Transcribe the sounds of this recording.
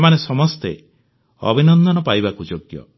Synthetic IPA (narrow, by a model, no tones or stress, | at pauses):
manesɔmɔst̪ḛ | ɔ̰bʱinɔnd̪ʱɔnɔpajbakud͡ʒoɡjɔ̰